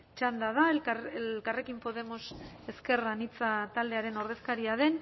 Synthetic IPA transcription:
t͡ʃand̪aðaeellkare̞kimpo̞ðe̞mo̞se̞ske̞ranit͡sat̪ald̪e̞aɾe̞no̞ɾðe̞skaɾiaðe̞n

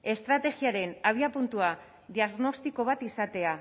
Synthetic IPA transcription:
e̞st̪ɾat̪e̞ɣiaɾe̞naβ̞iapunt̪ua | ðiaɣno̞st̪iko̞β̞at̪isat̪e̞a

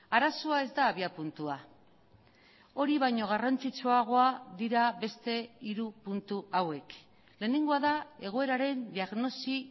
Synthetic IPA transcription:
aɾasoae̞zd̪aːβiapunt̪ua | o̞ɾiβajɲo̞ɣ̞arant͡sit͡ʃoaɣ̞o̞aðiɾaβe̞st̪e̞iɾupunt̪uawe̞k | le̞ːne̞ŋɡo̞aðae̞ɣ̞o̞e̞ɾaɾe̞nd̪iaɣno̞si

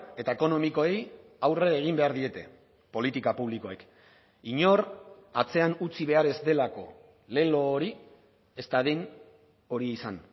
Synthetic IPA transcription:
e̞t̪ae̞ko̞no̞miko̞e̞jawre̞eɣ̞imbe̞aɾðie̞t̪e̞ | po̞lit̪ikapuβ̞liko̞e̞k | iɲo̞rat͡se̞anut͡siβ̞e̞aɾe̞zd̪e̞lako̞̰ | le̞lo̞ːɾi | e̞st̪aðen | o̞ɾieisan

